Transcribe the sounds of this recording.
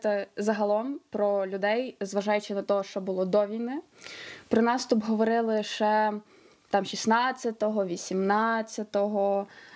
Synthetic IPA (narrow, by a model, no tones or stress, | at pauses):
t̪ɛzɐɦɐlˠɔmpɾɔlʲʊd̪ɛjzʋɐʒɑjʊt͡ʃɪnɐt̪ɔɦɔʃt͡ʃɔbʊlˠɔd̪ɔʋʲinɪpɾɔnɑst̪ʊpɦɔʋɔɾɪlˠɪʃt͡ʃɛ | t̪ɑmʃʲisnɑt͡sʲːɐt̪ɔɦɔʋʲisʲimnɑt͡sʲːɐt̪ɔɦɔ